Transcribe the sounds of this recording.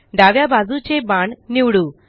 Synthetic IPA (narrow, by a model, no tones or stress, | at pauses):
ɖaʋjabazut͡ʃebaːɳniwɽu